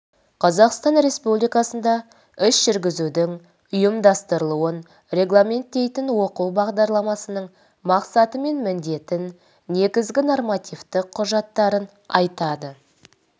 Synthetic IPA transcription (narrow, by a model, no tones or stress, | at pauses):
qʰɑzɑqst̪ɑnɾe̞spublijkɑsənd̪ɑ | ʏsʒ̥ʏɾɡʲɪzud̪ɪŋ | ʊjəmd̪ɑst̪əɾəlˠuən | rʲe̞ɡlˠamʲe̞nt̪ːe̞jt̪ɪnwo̞quwbɑʁd̪ɑɾlˠɑmɑsənəɴ | mɑqsɑt̪əme̞nmɪnd̪e̞t̪ɪnː | e̞ɡʲɪzɡʲɪno̞rmat̪ijft̪ɪqʰːʊʒɑt̪ːɑɾən | ɑ̰jt̪ɑd̪ə